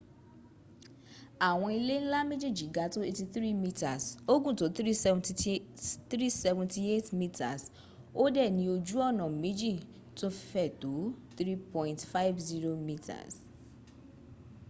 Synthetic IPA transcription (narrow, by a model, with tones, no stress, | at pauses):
a˨w̃ɔ̃˧i˧le˦n̩˦la˦me˦d͡ʒi˦˨d͡ʒĩ˨˦ɡa˨˦to˦e˧ti˧θɾi˦mi˦ta˨so˦ɡũ˦˨to˨˦t̪ɾi˦sɛ̃ | tɾi˦sɛ˦vũ˦nti˦e˦tmi˦tʰa˨s | o˦dɛ˦˨nĩ˨˦o˧d͡ʒu˦ɔ˦˨nɔ̃˨m̩˨˦mĩ˨˦d͡ʒi˦˨ | to˦ffɛ˦˨to˨˦t̪ɾi˦pɔ̃˦ĩntfa˦ɪ˦vzi˦ɾo˦mi˦tʰa̰˨s